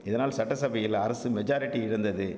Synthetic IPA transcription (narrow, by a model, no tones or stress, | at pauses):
ɪðɐnaːlsɐʈːɐsɐbɐjɪlɐɾɐsɯmɛd͡ʒaːɾɪʈːiɪɽɐnd̪ɐðɯ